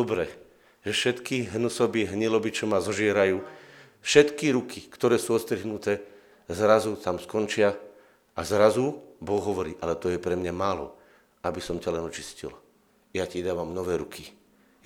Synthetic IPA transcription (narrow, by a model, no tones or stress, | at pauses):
ɔbɾɛ | ʒɛfʃɛt̪kiɦnusɔbiɛɦɲilɔbit͡ʃɔmazɔʒɪɛɾajuː | fʃɛt̪kiɾukʰikt̪ɔɾɛːsuːɔt̪st̪ɾiɦnut̪ɛː | zɾazut̪amskɔnt͡ʃɪa | azɾazubɔɣɦɔʋɔɾiːʔalɛt̪ɔjɛpɾɛmɲamaːlɔ̰ | abisɔmcalɛnɔt͡ʃi̥scḭl | jacid̪aːʋamnɔʋɛːɾukʰi